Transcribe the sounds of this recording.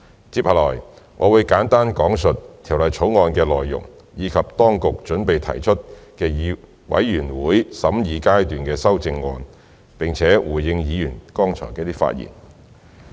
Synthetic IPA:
t͡siː˧p̚hɐ˨˩lɔ̰ː˨˩j | ŋʔɔ̰ː˨˧wuː˨˧jkaː˨˥nt̪aː˥nkɔː˨˥ŋsɵ˨t̚t̪ʰi˨˩wlɐ˨˩jt͡sʰo˨˥wŋɔː˧nkɛː˧lɔː˨jːʊ̰˨˩ŋ | jiː˨˧kʰɐ˨p̚t̪ɔː˥ŋkʊ˨k̚t͡ʃɵ˨˥npe˨jt̪ʰɐ̰˨˩jt͡ʃʰɵ˥t̚kɛː˧jiː˨˧ | wɐ̰˨˥jːyː˨˩nwuː˨˥jsɐ˨˥mjiː˨˧kaː˥jt̪yː˨nkɛː˧sɐ˥wt͡sɪ˧ŋːɔː˧n | pɪ˨ŋt͡sʰɛː˨˥wuː˨˩jjɪ˧ŋjiː˨˧jy˨˩nkɔː˥ŋt͡sʰɔː˨˩kɛː˧˥t̪iː˥fa̰ː˧t̚jḭː˨˩n

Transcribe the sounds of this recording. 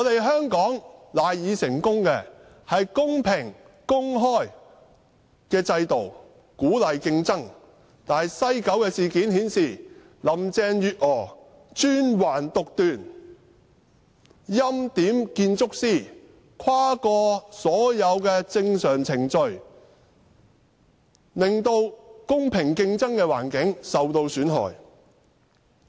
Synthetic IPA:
ŋː˨˧t̪e˨jɦœː˥ŋkɔː˨˥ŋlaː˨jjiː˨˧sɪ˨˩ŋkʊ˥ŋkɛ˧ | hɐ˨jkʊ˥ŋpʰɪ˨˩ŋ | kʊ˥ŋɦɔː˥j | kɛː˧t͡sɐ˧jt̪o˨˩w | kuː˨˥lɐ˨jkɪ˧ŋt͡sɐ˥ŋ | t̪aː˨˩˨jsɐ˥jkɐ˨˥wkɛː˧siː˨kiː˨˥nhiː˨˥nsiː˨˩ | lɐ˨mt͡sɛː˧ŋjyː˨t̚ʔɔː˨˩ | t͡ʃyː˥nwaː˨˩nt̪ʊ˨k̚t̪yː˨˩n | jɐ˥mt̪iː˨˥mkiː˧nt͡sʊ˥k̚siː˥ | kʰwaː˥kɔː˧sɔː˨˥jɐ˨˧wkɛː˧t͡sɪ˧ŋsœː˨˩ŋt͡sʰɪ˨˩ŋt͡sɵ˧ɥ | lɪ˨ŋt̪o˧wkʊ˥ŋpʰɪ˨˩ŋkɪ˧ŋt͡sɐ˥ŋkɛː˧wa̰ː˨˩nkɪ˨˥ŋsɐ˨wt̪o˧wsyː˨˥nɦɔ̰ː˨j

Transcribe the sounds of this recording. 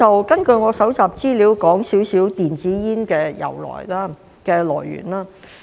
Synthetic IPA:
ɐ˨wkɐ˥nkɵ˧ɥŋɔː˨˧sɐ˨˥wt͡saː˨˩p̚t͡siː˥liː˨˥wkɔː˨˥ŋsiː˨˥wsiː˨˥wt̪iː˨nt͡siː˨˥jiː˥nkɛː˧jɐ̰˨˩wlɔ̰ː˨˩jlaː˥ | kɛː˧lɔ̰ː˨˩jːy̰ː˨˩nlaː˥

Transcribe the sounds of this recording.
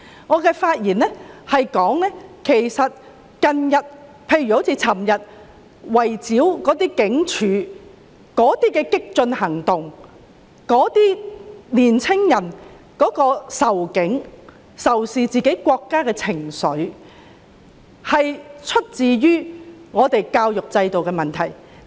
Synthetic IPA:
ŋɔː˨˧kɛː˧faː˧t̚jiː˨˩nɛ˥hɐ˨jkɔː˨˥ŋnɛː˥kʰe˨˩jsɐ˨t̚ | kɐ˧njɐ˨t̚ | pʰe˧jɥyː˨˩o˨˥t͡sʰi˧t͡sʰɐ˨˩mjɐ˨t̚ | wɐ˨˩jt͡siː˨˥wkɔː˨˥t̪iː˥kɪ˨˥ŋt͡ʃʰyː˨˥ | kɔː˨˥t̪iː˥kɛː˧kɪ˥k̚t͡sɵ˧nhɐ˨˩ŋt̪ʊ˨ŋ | kɔː˨˥t̪iː˥niː˨˩nt͡sʰɪ˥ŋjɐ˨˩n | kɔː˨˥kɔː˧sɐ˨˩wkɪ˨˥ŋ | sɐ˨˩wsiː˨t͡siː˨ke˨˥jkʷɔː˧kːaː˥kɛː˧t͡sʰɪ˨˩ŋsɵ˨˧˥ɥ | hɐ˨jt͡ʃʰɵ˥t̚t͡siː˨˧ɥyː˥ŋɔː˨˧t̪e˨jkaː˧wjʊ˨k̚t͡sɐ˧jt̪o˨wkɛː˧mɐ˨nt̪ʰɐ˨˩j

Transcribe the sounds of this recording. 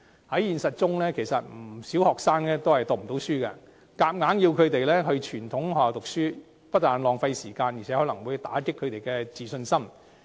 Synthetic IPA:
hɐ˨˥jjiː˨nsɐ˨t̚t͡ʃʊ˥ŋlɛː˥kʰe˨˩jsɐ̰˨t̚m̩˨˩si˨˥whɔː˨ksaː˥ŋlɛː˥t̪o˥hɐ˨jt̪ɔː˨k̚m˨˩t̪o˨˥wsyː˥kɛ̰˧ | kaː˧˩p̚ŋaː˨˥nji˧wkʰɵ˨˧t̪e˨jlɛː˥ɦɵ˧ɥt͡ʃʰyː˨˩nt̪ʰʊ˨˥ŋhɔː˨˩t̪ʊ˨k̚syː˥ | pɐ˥t̚t̪ːaː˨˩nlɔː˨ŋfa˧jsiː˨˩kaː˧nji˨˩ɛ˨˦hɔː˨˥lɐ˨˩ŋwuː˨˧jt̪aː˨˥kɪ˥kʰːɵ˨˧ɥt̪e˨jkɛ˧t͡siː˨sɵ˧nsɐ˥m

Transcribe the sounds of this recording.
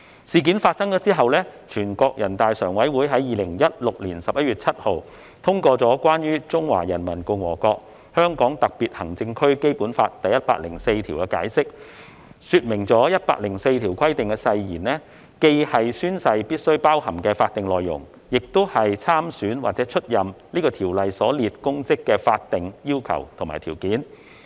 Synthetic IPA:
siː˨k̬i˨˥nfaː˧t̚sɐ˥ŋt͡sɔː˨˥t͡siː˥ɦɐ˨wlɛː˥t͡ʃʰyː˨˩nkɔː˧k̚jɐ˨˩nt̪aː˨jsœː˨˩ŋwɐ˨˥jwuː˨˥jɦɐ˨˥jiː˨lɪ˨˩ŋjɐ˥t̚lʊ˨k̚liː˨˩nsɐ˨p̚jɐ˥t̚ɥyː˨t̚t͡sʰɐ˥t̚ho˨˧w | t̪ʰʊ˥ŋkɔː˧t͡sɔː˨˥kwaː˥njyː˥t͡sʊ˥ŋwa̰ː˨˩jɐ˨˩nmɐ˨˩nkʊ˧ŋwɔ̰ː˨˩kɔː˧k̚ | hœː˥ŋkɔː˨˥ŋt̪ɐ˨k̚piː˨t̚hɐ˨˩ŋt͡sɪ˧ŋkʰɵ˥ɥke˥jpuː˨˥nfa̰ː˧t̚t̪ɐ˨jɐ˥t̚pa̰ː˧k̚lɪ̰˨˩ŋse˧jt̪ʰiː˨˩wkɛː˧ka̰ː˨˥jsɪ˥k̚ | syː˧t̚mɪ˨˩ŋt͡sɔː˨˥jɐ˥t̚pa̰ː˧k̚lɪ˨˩ŋse˧jt̪ʰiː˨˩wkʷʰɐ˥jt̪ɪ˨ŋkɛː˧sɐ˧jjiː˨˩nnɛː˥ | ke˧jhɐ˨jsyː˥nsɐ˧jpiː˥t̚sɵ˥ɥpaː˥whɐ˨˩mkɛː˧faː˧t̚t̪ɪ˨ŋlɔː˨jːʊ̰˨˩ŋ | jɪ˨k̚t̪o˥whɐ˨jt͡sʰaː˥msyː˨˥nwaː˨t͡sɛː˨˥t͡ʃʰɵ˥t̚jɐ˨mniː˥kɔː˧t̪ʰiː˨˩wlɐ˨jsɔː˨˥liː˨t̚kʊ˥ŋt͡sɪ˥kːɛː˧faː˧t̚t̪ɪ˨ŋjiː˥wkʰɐ̰˨˩wt̪ʰŋmaː˨˩jt̪ʰiː˨˩wkiː˨˥n

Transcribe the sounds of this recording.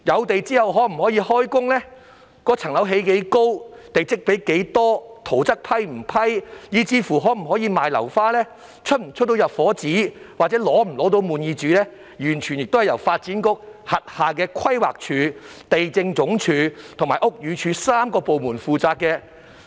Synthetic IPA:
jɐ˨˧wt̪e˨jt͡siː˥hɐ˨wɦɔː˨˥m̩˨˩ɦɔː˨˥jiː˧hɔː˥jkʊ˥ŋlɛː˥ | kɔː˧˥t͡sʰɐ˨˩ŋlɐ˨˥wɦe˨˥jke˨˥jko˥wt̪e˨jt͡sɪ˥k̚pe˨˥jke˨˥jt̪ɔː˥t̪ʰo˨˩wt͡sɐ˥k̚pʰɐ˥jm̩˨˩pʰɐ˥jjiː˨˧t͡siː˧fuː˨˩ɦɔː˨˥m̩˨˩ɦɔː˨˥jiː˧maː˨jlɐ̰˨˩wfaː˥lɛː˥ | t͡ʃʰɵ˥t̚m̩˨˩t͡ʃʰɵ˥t̪ːjɐ˨t̚fɔː˨˥t͡siː˨˥ | wa˨t͡sɛː˨˥lɔː˨˥m̩˨˩lɔː˨˥t̪̬o˧wmuː˨njiː˧t͡ʃyː˨˥lɛː˥ | jyː˨˩nt͡ʃʰy˨˩njɪ˨k̚t̪whɐ˨jɐ˨˩wfaː˧t̚t͡siː˨˥nkʊ˥k̚hɐ˨t̚haː˨k̬ɛː˧kʰɐ˥jwa̰ː˨k̚t͡ʃʰyː˨˧ | t̪e˨jt͡sɪ˧ŋt͡sʊ˨˥ŋt͡ʃʰyː˧t̪ʰʊ˨˩ŋmaː˨˩ʔʊ˥k̚jyː˨˧t͡ʃʰyː˨˧saː˥mkɔː˧po˨wmuː˨˩nfuː˨t͡saː˧kːɛː˧

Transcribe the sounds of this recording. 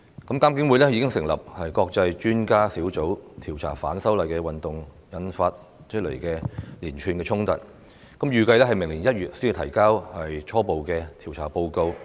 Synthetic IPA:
kɐ˨˥mkaː˥mk̬ɪ˨˥ŋwu˨˧˥lɛ˥ji˨˧kɪ˥ŋsɪ˨˩ŋlɐ̰˨p̚hɐ˨jkɔː˧k̚t͡sɐ˧jt͡ʃyː˥nkaː˥siː˨˥wt͡so˨˥wt̪ʰiː˨˩wt͡sʰa̰ː˨˩fa̰ː˨˥nsɐ˥wlɐ˨jkɛː˧wɐ˨nt̪ʊ˨˩ŋ | jɐ˨˧nfaː˧t̚ | t͡ʃʰɵ˥t̚lḛ˨˩jkɛː˧liː˨˩nt͡ʃʰyː˨˧nkɛː˧t͡ʃʰʊ˥ŋt̪ɐ̰˨t̚ | kɐ˨˥mjyː˨kɐ˧jlɛ˥ɦɐ˨jmɪ˨˩ŋliː˨˩njɐ˥t̚jyː˨t̚si˥˧˨t̪ʰɐ˨˩jkaː˥whɐ˨jt͡ʃʰɔː˥po˨wkɛː˧t̪ʰiː˨˩wt͡sʰaː˨˩po˧wko˧w

